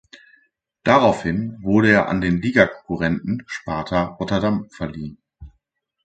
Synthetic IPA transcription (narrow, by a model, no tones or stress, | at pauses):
d̥aʁaʊfhɪnvʊɐɾəeːɐʔa̰ndeːnliːɡakʰɔ̥ŋkuʁɛntn̩ʃpaɐtʰɐʁɔtɐdamfɛɐliːən